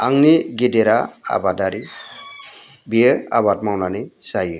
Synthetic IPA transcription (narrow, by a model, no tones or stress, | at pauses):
aŋniɡideɾaa̰badaɾi | biəa̰bat̚mawnanisajɯ